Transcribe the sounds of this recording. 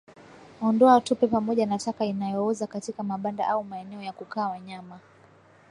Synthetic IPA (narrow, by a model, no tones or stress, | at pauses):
ɔndɔatupɛpamɔʄanatakainajɔɔzakatikamaɓanda̰ʔaumaɛnɛɔjakukaːwaɲama